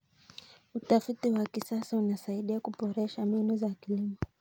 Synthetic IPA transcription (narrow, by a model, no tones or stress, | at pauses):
utafitiwakisasaunasaiɗiakuɓɔɾɛʃaminuzakilimɔ